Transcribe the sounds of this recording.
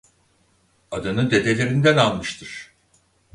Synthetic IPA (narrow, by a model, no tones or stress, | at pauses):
ad̪ɯnɯd̪e̞d̪e̞lʲe̞ɾind̪ænalˠmɯʃt̪ʰɯɾ̥